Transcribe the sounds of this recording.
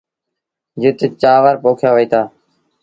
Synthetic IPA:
d͡ʒɪt̪t͡ʃaːʋaɾpoːkʰjaːʋəiːt̪ʰaː

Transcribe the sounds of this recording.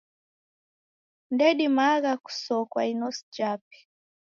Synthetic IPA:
ndɛɗimaɡaku̥sɔkwa̰inɔsd͡ʒap̚i̥

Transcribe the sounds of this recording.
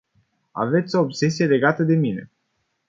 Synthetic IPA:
a̰ve̞t̪sʲo̞ːbse̞sijele̞ɡat̪əd̪e̞mine̞̰

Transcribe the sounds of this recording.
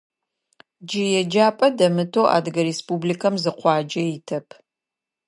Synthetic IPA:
d͡ʒɪjɛd͡ʒaːpʼɐdɐmɨtʰoːʔa̰ːdɨɡɐɾespʼublikʰɐmzɨqʷɑːd͡ʒɐjɪtʰɐpʰ

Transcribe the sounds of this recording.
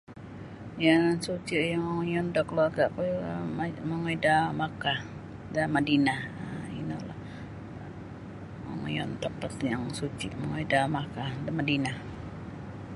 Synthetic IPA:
jansut͡ʃijaŋjɔndakluarɡaʔpu | maŋɔidamaka | damadinahḭnola̰ | ma̰ŋjɔnt̪apat̪jaŋsut͡ʃiʔmaŋɔidamakahdamadinah

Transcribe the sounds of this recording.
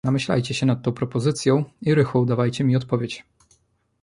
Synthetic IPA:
namɘɕla̰jt͡ɕɛɕɛnat̪̚t̪ːɔ̃w̃pɾɔpɔzɘt̪sʲjɔ̃w̃iɾɘxɔwd̪avajt͡ɕɛmʲiɔt̪pɔvʲjet͡ɕ

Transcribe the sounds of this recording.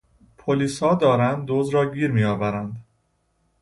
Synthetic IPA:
pʰoliːshɒːd̪ɒːɾænd̪̚ːoːzɾɒːɟiːɾmiːjɒːvæɾænd̪

